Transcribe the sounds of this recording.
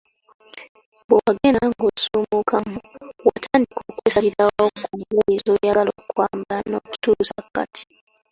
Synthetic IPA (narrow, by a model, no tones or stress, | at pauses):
bowaɡenaŋɡosuːmukamuwatʰaːndikʰokwesaɾiɾaakuŋuizojaalokwaːmbanoku̥tuusakːa̰tʰi̥